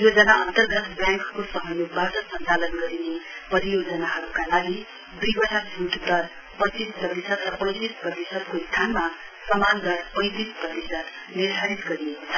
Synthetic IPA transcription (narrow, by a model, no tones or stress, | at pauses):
jod͡zʌnaʌnt̪ʌrɡʌt̪bjãŋkkosʌɦʌjubaʈʌsʌnt͡salʌnɡʌɾinepʌɾijod͡zʌnaɦʌɾukalaɡi | d̪ujbʌʈʰabʱuʈt̪ʌɾ | pʌt̪isprʌt̪isʌd̪rʌpʌ̃j̃t̪isprʌt̪isʌd̪kost̪ʰanma | sʌmand̪ʌɾpʌj̃t̪isprʌt̪isʌd̪ | nird̪ʱaɾit̪ɡʌɾijekot͡sʰʌ̥